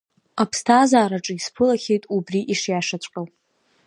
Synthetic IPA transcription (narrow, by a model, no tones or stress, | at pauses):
apʰstʰaːzaːɾaʈ͡ʂʼɨispʰɨlaxʲejtʼubriʔiʂjaʂat͡ɕʷʼqʲʼawʼ